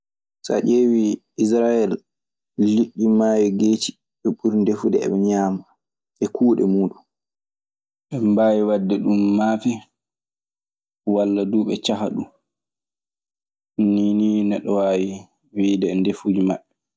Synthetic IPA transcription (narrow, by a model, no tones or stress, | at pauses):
sa̰ʔeːwi | is̬ɾajɛlː | iɗːimaːjiɡeːti̥ | ɓɛɓuɾndefudɛɛ̰ɓɛɲaːma | ʔɛkʰuːɗɛ̰muːɗun | ɓɛmbaːjiwadːɛɗumːaːfi | walːaduːɓɛt͡ʃaɦaɗu | nininɛɗːɔwaːji | wiːdɛndefud͡ʒimaɓːɛ